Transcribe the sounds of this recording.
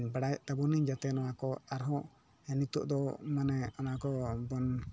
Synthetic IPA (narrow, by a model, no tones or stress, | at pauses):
baɽajɛʔt̪abɔniɲd͡ʒat̪ɛnɔakɔaɾɦɔ̃ | ɛnit̪ɔʔd̪ɔmanɛɔnakɔbɔn